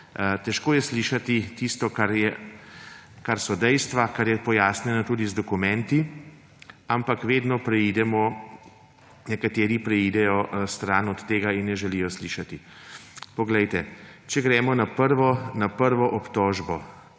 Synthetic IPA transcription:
t̪ɛʃkoːjɛsliːʃat̪it̪ist̪ɔkaɾjɛ | kaɾsɔd̪ɛjst̪ʋakaɾjɛpɔjaːsnjɛnat̪uːd̪izd̪ɔkumɛ̃nt̪i | ampakʋeːd̪nɔpɾɛiːd̪ɛmɔ | nɛkat̪eːɾipɾɛiːd̪ɛjɔst̪ɾaːnɔt̪ːeːɡainːɛʒɛliːjɔsliːʃat̪i | pɔɡlɛjt̪ɛt͡ʃɛɡɾɛːmɔnapəɾʋɔnapəɾʋɔʔɔpt̪ɔːʒbɔ

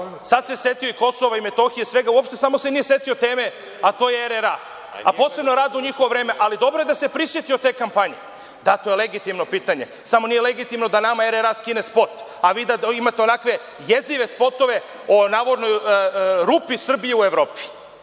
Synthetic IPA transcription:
sad̪sesje̞t̪ijo̞iko̞soʋaime̞t̪o̞xijesʋe̞ɡauopʃt̪e̞samo̞senije̞sje̞t̪io̞t̪e̞ːme̞ | at̪o̞ːjeeɾeɾa | a̰po̞ːse̞bnoɾaːd̪uɲixo̞ʋoʋɾe̞ːmeʔalid̪o̞bɾoe̞d̪ase̞pɾisʋje̞t̪io̞t̪e̞ːkampaɲe̞ | d̪at̪o̞jeleɡit̪imno̞piːt̪aɲe̞ | samo̞nijele̞ɡit̪imno̞d̪anamaeɾeɾaskine̞spo̞t̪ | aʋiːd̪aimat̪eo̞nakʋe̞ | je̞ziʋe̞spo̞t̪o̞ʋe̞ | onaːʋoɾno̞jɾupisr̩bijeueʋɾo̞ːpi̥

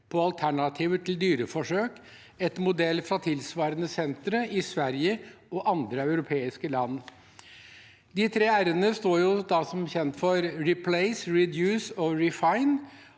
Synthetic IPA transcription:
pʰɔɑlt̪ʰæɳɑt̪ʰiːʋət̪ʰɪld̪yːɾəfɔʂøːk | ɛt̪mʊd̪ɛlːfɾɑt̪ʰɪlsʋɑːɾənəsɛnt̪ɾəʔɪsʋæɾjəɔʔɑnd̪ɾəɑʉɾʊpʰeːɪskəlɑnː | d̪ɪt̪ʰɾeːæɾənəst̪oːɾjʊd̪ɑsɔmçɛnt̪fɔɾɾɪpʰlɛɪsɹɪd̪jʉːsɔɹɪfɑɪn

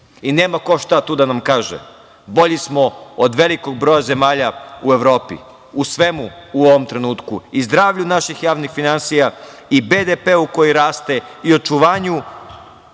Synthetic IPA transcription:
ine̞ːmako̞ʃt̪at̪uːd̪anamkaːʒḛ | bo̞ʎismood̪ʋe̞liko̞ɡ̚bɾojaze̞maːʎaueʋɾo̞ːpḭ | usʋe̞muuoʋomt̪ɾe̞nuːt̪kuizd̪ɾaːʋʎunaʃixjaːʋnixfinansija | ibed̪epeːuko̞jiɾaːst̪eio̞t͡ʃuʋaːɲu

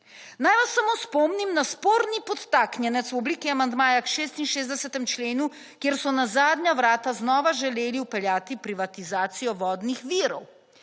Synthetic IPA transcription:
najʋasːamospɔmnimnaspoːɾnipɔt̪ːaːknjɛnɛt̪swɔbliːkiamand̪maːjakʃeːst̪inʃeːzd̪ɛsɛt̪ɛmt͡ʃleːnu | kjeɾsɔnazaːd̪ɲaʋɾaːt̪aznɔːʋaʒɛleːliwpɛljaːt̪ipɾiʋat̪izaːt̪sijɔʋɔːd̪nixʋiːɾɔw

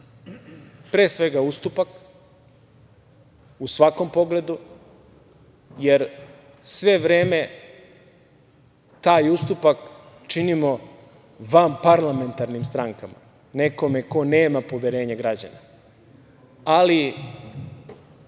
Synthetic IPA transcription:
pɾeːsʋe̞ɡaust̪upak | usʋako̞mpo̞ɡle̞d̪u | je̞ɾ | sʋe̞ʋɾe̞ːme̞ | t̪aːjust̪upak | t͡ʃinimo | ʋampaɾlˠame̞nt̪aɾnimst̪ɾaŋkama̰ | ne̞ko̞me̞ko̞neːmapo̞ʋjeɾe̞ːɲaɡɾad͡ʑa̰na | ali

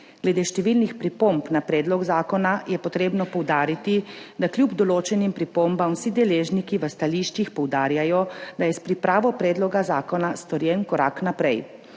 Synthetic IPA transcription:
ɡ̥lɛd̪eːʃt̪ɛʋiːlnixpɾipompnapɾɛːd̪lɔɡzaːkɔnajɛpɔt̪ɾeːbnɔpɔwd̪aːɾit̪id̪akljubd̪ɔloːt͡ʃɛnimpɾipombamsid̪ɛleːʒnikiʋəst̪aliːʃt͡ʃixpɔwd̪aːɾjajɔd̪ajɛspɾipɾaːʋɔpɾɛːd̪lɔɡazaːkɔnast̪ɔɾjɛnkɔɾa̰knapɾɛj

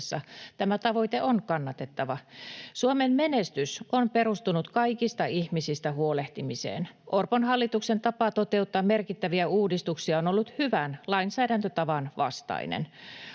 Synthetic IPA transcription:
sːɑ̰t̪æmæt̪ɑʋo̞jt̪eʔonkɑnːɑt̪e̞t̪ːɑʋɑsuomemmenest̪ysʔompeɾust̪unut̪kɑikist̪ɑihmisist̪æhuoleht̪imisḛːnʔorponɦɑlːit̪uksent̪ɑpɑt̪ot̪e̞ut̪ːɑːmme̞rkit̪ːæʋiæuːdist̪uksiɑonolːut̪hyʋænlɑinsæːdænt̪øt̪ɑʋɑnʋɑ̰st̪ɑ̰ḭnḛn

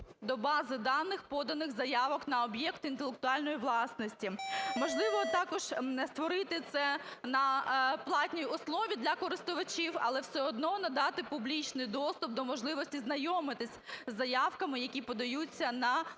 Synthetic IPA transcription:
d̪ɔbɑzɪd̪ɑnːɪxpɔd̪ɐnɪɣzɐjɑʋɔknɐɔbjɛkt̪int̪elˠek̚t̪ʊɑlʲnɔjiʋlˠɑsnɔsʲtʲimɔʒlˠɪʋɔt̪ɑkɔʒ̥nɛst̪ʋɔɾɪt̪ɪt̪sɛnɐplˠɑtʲnʲijiʊslˠɔʋʲid̪lʲɐkɔɾɪst̪ʊʋɐt͡ʃiwɐ̰lˠɛwsɛɔd̪nɔnɐd̪ɑt̪ɪpʊblʲit͡ʃnɪjd̪ɔst̪ʊp̚d̪ɔmɔʒlˠɪʋɔsʲtʲiznɐjɔmɪt̪ɪsʲzːɐjɑwkɐmɪjɐkʲipɔd̪ɐjut͡sʲːɐnɐ

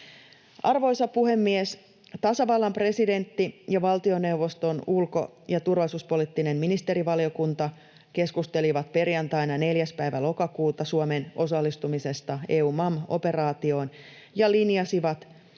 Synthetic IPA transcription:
ʔɑrʋo̞jsɑpuhe̞mːies | t̪ɑsɑʋɑlːɑmpre̞side̞nt̪ːijɑʋɑlt̪io̞ne̞wʋːo̞st̪o̞nulko̞̰ | jɑt̪urʋɑlisuːspo̞lit̪ːine̞mminist̪e̞ɾiʋɑlio̞kunt̪ɑ | ke̞skust̪eliʋɑt̪pe̞rjɑnt̪ɑjnɑne̞ljæspæiʋælo̞kɑkuːt̪ɑsuome̞nʔo̞sɑlːist̪umise̞st̪ɑeːuːmɑmo̞̰pe̞rɑːt̪io̞ːn | jɑlinjɑsiʋɑt̪

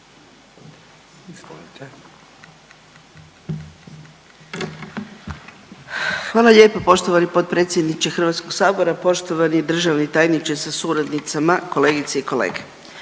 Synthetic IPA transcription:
xʋaːlˠaʎʲeːpapo̞ʃt̪oʋanipo̞t̪̚pɾet̪sjed̪nit͡ʃexr̩ʋat̪sko̞ɡ̥saːbo̞ɾapo̞ʃt̪o̞ʋanijed̪r̩ʒaʋnit̪aːjnit͡ʃesasuɾad̪nit̪samako̞le̞ːɡit̪seiko̞lḛːɡe̥

